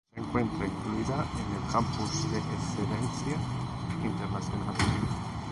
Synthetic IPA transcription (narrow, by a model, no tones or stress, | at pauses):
seŋkwɛnt̪ɾaiŋkllit̪aenːelkampusd̪esed̪ɛnt̪sje | int̪ernat̪sjonaːle